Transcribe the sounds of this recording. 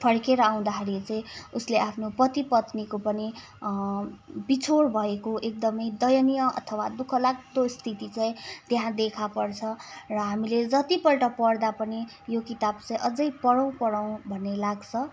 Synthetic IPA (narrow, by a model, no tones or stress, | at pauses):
pʰʌɽkeɾʌaw̃d̪aɦeɾit͡saĩusleʔapʰnoprʌt̪ipʌt̪nikopʌni | bit͡sʰoɽbʱʌekoʔek̚d̪ʌmʌjd̪ʌjʌnijʌʌ̰t̪ʰʌwad̪ukʰʌlak̚t̪ost̪ʰit̪it͡sãĩt̪eɦãd̪ekʰapʌrt͡sʰʌrʌɦamiled͡zʌt̪ipʌlʈʌpʌɽd̪apʌni | jokit̪abt͡sʌĩʔʌd͡zʌjpʌɽʌw̃pʌɽaw̃bʱʌnːelaɡt͡sʰʌ